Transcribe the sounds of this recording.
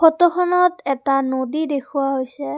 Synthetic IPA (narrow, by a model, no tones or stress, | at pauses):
pʰɔtɔxʰɔnɔtɛtanodidekʰuwaɦojsɛ